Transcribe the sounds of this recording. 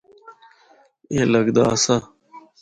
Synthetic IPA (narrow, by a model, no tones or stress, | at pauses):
eːləɡd̪aːsa